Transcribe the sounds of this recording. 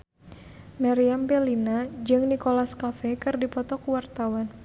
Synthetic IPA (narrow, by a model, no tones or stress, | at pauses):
maɾiambɛlinad͡ʒɨŋnikolaskafɛkɨrdipɔt̪ɔkuwart̪awan